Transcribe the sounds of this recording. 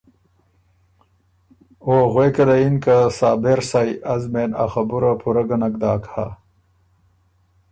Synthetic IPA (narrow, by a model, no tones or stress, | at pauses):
oːɣweːkɐlɐinkasaːbeɾsajɐzmeːna̰xɐbuɾapʰuɾɐɡɐnɐkd̪aːkha̰